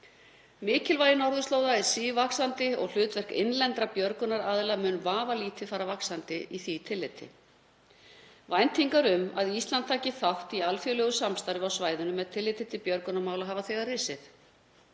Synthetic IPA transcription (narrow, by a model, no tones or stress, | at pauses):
mɪːcɪlvaːjɪnɔɾðʏst̪oːwðaɛɾ̥siːvaksant̪ɪɔ̰ɣl̥ʏːt̪vɛr̥kɪ̰nlɛnt̪ɾapjœɾkʏnaɾaːðɪlamʏːnvaːvaliːt̪ɪfaːɾavaksant̪ɪiθit̪ʰɪlːɪt̪ʰɪ̰ | vajnt̪ʰiŋkaɾʏmaðist̪lant̪t̪ʰːaːcɪθawht̪ialfjœlœːɣʏsamst̪ajɾɪvawsvaːjðʏnʏmːɛðt̪ʰɪlːɪt̪ɪt̪ʰɪlpjœɾkʏnamaːwlaɦaːvaθɛɣarɪsɪθ